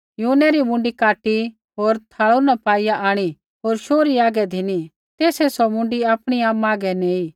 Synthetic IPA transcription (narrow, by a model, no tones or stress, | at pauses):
juːnɛɾimʊ̃ɳɖikaːʈi | ɦoːɾt̪ʰaːɭunapaːijaʔaːɽ̃i | ɦoːɾʃoːɾiaːɡɛd̪ʱɪni | t̪eːsɛsɔmʊ̃ɳɖiaːpɽ̃iaːmaːɡɛneːiː